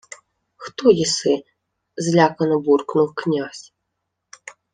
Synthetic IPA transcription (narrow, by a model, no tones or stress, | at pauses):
xt̪ɔjisɨ | zlʲakɐnɐburknuwknʲas